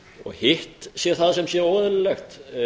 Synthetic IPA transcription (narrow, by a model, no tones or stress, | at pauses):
ɔ̰ɣhɪht̪sjɛɾθaðsɛmsjɛɾɔːðʏllɛxt̪